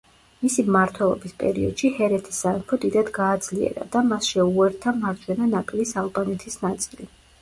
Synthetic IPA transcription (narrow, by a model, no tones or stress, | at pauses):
misimmaɾt̪ʰwɛlˠɔ̰bispʼɛ̰ɾḭɔd̪̥ʃihɛɾɛt̪ʰi̥sːaɛmpʰɔd̪id̪ad̪ɡaːd̪z̥liɛ̰ɾa̰d̪̥amasʃɛuɛɾt̪ʰamaɾt̪ʰʼɛnanapʼilisalˠbanɛt̪ʰisnat̪sʼili